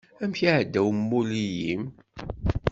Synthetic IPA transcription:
æmçiʕəd̪ːæwmːulijim

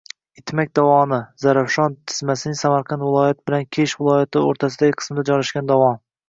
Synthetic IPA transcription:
ɪt̪ʰmakʲd̪ɒwɒnɪzaɾafʃɒnt̪ʰɪ̥zmasɪnɪŋsamaɾqʰɑnd̪vɪlˠɒjat̪̚bɪlankʲʰeʃvɪlˠɒjat̪ʰɪoɾt̪ʰas̬ɪd̪aɡʲɪqʰɨ̥smɪd̪ad͡ʒɒlaʃɡʲand̪awɒm

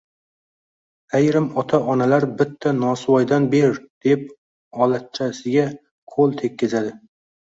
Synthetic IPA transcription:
ajɾɪmɒt̪ʰaʔɒnalaɾbɪt̪ʰːanɒsɨwɒjd̪anbe̞ɾd̪̥e̞p̚ | ɒlat̪̚t͡ʃʰasɪɡʲa | qʰolˠt̪ʰe̞kʲːɪzad̪ɪ

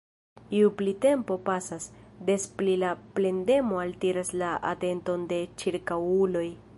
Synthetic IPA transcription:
iuplite̞mpo̞pasasde̞splilaple̞nde̞mo̞altiɾaslaʔa̰te̞nto̞nde̞t͡ʃiɾkawulo̞j

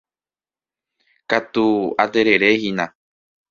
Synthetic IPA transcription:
kat̪uad̪eɾeɾehinã

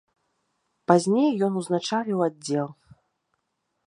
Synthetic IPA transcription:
pazʲnʲejːɔnuznat͡ʂalʲiwadd͡zʲːɛlˠ

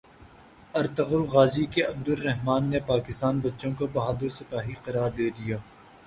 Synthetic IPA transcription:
ɐɾt̪ɐɣʊlɣaːzikeɐb̚d̪ʊlːɛɦmaːnːepaːkɪst̪aːnbɐtːʃõkobɐɦaːd̪əɾsɪpaːɦiqɐɾaːɾd̪eːd̪ijaː

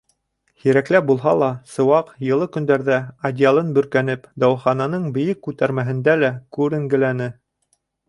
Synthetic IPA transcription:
hiɾæklæp̚bulˠɦɑlˠɑsɤ̆wɑqjɤ̆lˠɤkɵ̆nd̪æɾðæɐdʲɪalˠɤnbɵ̆ɾkænɘpd̪ɑwχɑnɑnɤɴbɘ̆jɘkːʉt̪æɾmæɦɘ̆nd̪ælækʉɾɘ̆ŋɡɘ̆lænɘ

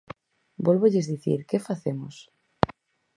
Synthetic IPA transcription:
bolβoʎezðiθḭɾkefaθemʊs

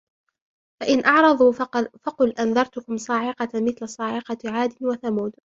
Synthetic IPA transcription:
faʔɪnʔɑʕɾˤɑðˤuːfɑqʊlʔanðɑɾˤt̪ʊkʊmsˤɑːʕɪqɑmɪθlasˤɑːʕɪqɑʕaːd̪ɪnwaθamuːd̪

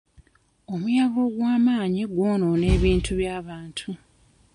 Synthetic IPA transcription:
o̞mujaβo̞ɡwaːmaːɲiɡwo̞ːnone̞ːβiːntʰuβjaːβaːntʰu

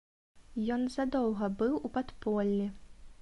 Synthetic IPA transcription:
jɔnzad̪ɔwɣɐbɨwupat̪pɔlʲːi

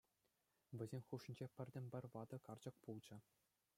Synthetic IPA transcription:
ʋʲɘ̆zʲemʲxuʂĭnʲd͡ʑepʲɘ̆rʲd̪ʲɘ̆mʲpʲɘ̆rʲʋɑd̪ɤ̆kɑrd͡ʑɤ̆k̚pulˠd͡ʑɤ̆

